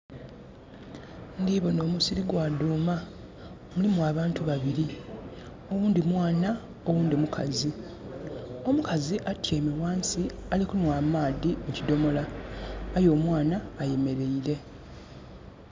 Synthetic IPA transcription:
ndiːβo̞no̞ːmusiɾiɡwaːduːma | mulimuaːβaːntuβaβiɾi | o̞wuːnd̪imwaːna | o̞wuːndimukʰa̰zi | o̞mukaziʔatʰjeːmewaːnsialikunwaːmaːdiucido̞mo̞laː | jo̞ːmwaːnaːje̞me̞ɾe̞iɾe̞

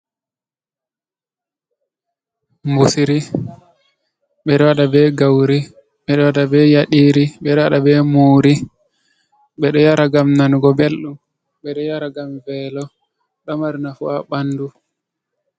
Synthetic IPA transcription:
mbusiɾi | ɓɛɗɔwaɗabɛɡawɾi | ɓɛɗɔwaɗabɛjaɗiːɾiɓɛɗɔwaɗabɛmuːɾi | ɓɛɗɔjaɾaɡamnanɡɔbelɗum | ɓɛɗɔjaɾaɡamvɛlɔ | ɗɔmaɾinafuaɓanːdu

